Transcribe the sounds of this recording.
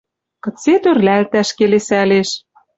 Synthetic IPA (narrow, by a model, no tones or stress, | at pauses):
kɤ̆t͡set̪ørlælt̪æʃkelesæleʃ